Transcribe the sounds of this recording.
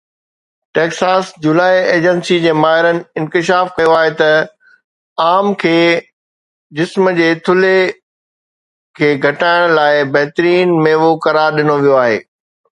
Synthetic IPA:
ʈeːksaːsd͡ʑulaːieːd͡ʑənsid͡ʑeːmaːɦɪɾənɪ̆ɪ̃nkɪʃ̬aːfkɐjoaːɦet̪ɐ | aːmkʰeː | d͡ʑɪsməd͡ʑeːt̪ʰʊle | kʰeːɡʱɐʈaːɪɽ̃laːɪbɐɦt̪ɾiːnmẽːʋokɐɾaːɾɗɪnoʋijoaːɦḛː

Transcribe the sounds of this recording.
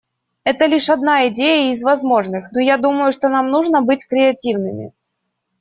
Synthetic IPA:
ɛt̪əlʲiʂɐd̪naɪdʲejəɪzvɐzmo̞ʐnɨxnojad̪uməjʊʂt̪o̞namnuʐnəbɨtʲkɾʲɪɐtʲivnɨmʲɪ̰

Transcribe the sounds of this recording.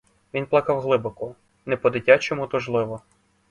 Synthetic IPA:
ʋʲinplˠɑkɑwɦlˠɪbɔkʊ | nɛpɔd̪ɪtʲat͡ʃɔmʊt̪ʊʒlˠɪʋɔ

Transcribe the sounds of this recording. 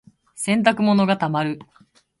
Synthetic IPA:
sẽ̞nt̪̬akɯ̟mo̞no̞ɡat̪amaɾɯ̟

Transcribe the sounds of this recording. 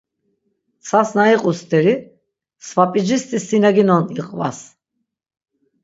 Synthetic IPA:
t͡sʰasnaiqʼust̪ʰʼɛɾi | svapʼid͡ʒist̪ʼisinaɡinɔniqʼva̰s

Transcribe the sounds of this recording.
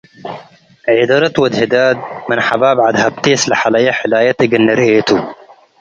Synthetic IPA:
ʕid̪ɐɾɐt̪wɐd̪hɪd̪aːd̪̚mɪnħabaːbʕad̪hɐb̚t̪eːslɐħalɐjaħɪlaːjɐt̪ɐɡɨnːɐɾeːt̪u

